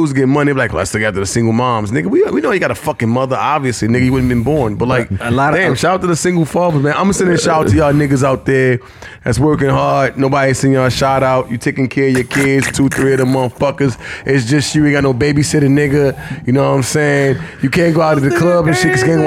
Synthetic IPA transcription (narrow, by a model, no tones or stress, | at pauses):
uzɡɛmʌñilaɪklæ̰tstɨɡatɨðɨsɪ̃ŋɡl̩ˠmɑɹmznɪɡɨwiwinoʊjɨɡɑɾəfʌkɪ̃ŋmʌðə˞ʔɑbviɨslinɪɡɨjɨwʊdⁿn̩bɨ̃nbɔɹnbʌt̚laɪk̚əlɑɾdæ̃mʃaʊtɨðəsɪ̃ŋɡl̩ˠfɑmzmæ̃nãɪ̃msɛ̃ɪ̃ʃaʊttʰɨjənɪɡɨzaʊt̪̚ðə˞ | ðætswɜ˞kɪ̃ŋɦɑɹd̚noʊbɑɾiz̥sɪ̃ŋəʃɑɾaʊt͡ʃjətʰeɪkɪ̃ŋkʰɛɹjə˞kʰɪdz̥tʰuθɹiʌɾəmʌ̃nθfʌkə˞zʔɪts̬d̥ʒ̥ʌsʃuɹĩŋaɪnoʊbeɪbisɪɾɨ̃nɪɡɨjɨnoʊãɪ̃mseɪɪ̃ŋjɨkʰæ̃nɡ̥oʊaʊɾɨ̃ðɨkʰl̥ʌbɨ̃nʃikʌsɡɛɪ̃ɡo